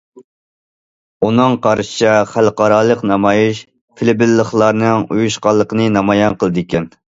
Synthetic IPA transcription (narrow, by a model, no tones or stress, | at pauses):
unɨŋqʰɑɾʃɨ̥t͡ʃʰɑχælqɑɾɑːlˠəqnɑmɑjiʃ | pʰɪlɪbɪlːəχlˠɑɾnɨŋujuʃqɑlˠːəqənɨnɑmɑjɑnqəlˠɨd̪ɪkʲʰɛn